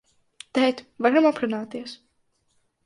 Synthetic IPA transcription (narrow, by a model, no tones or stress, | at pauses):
t̪ɛjt̪vaɾamapɾunaːt̪iɛs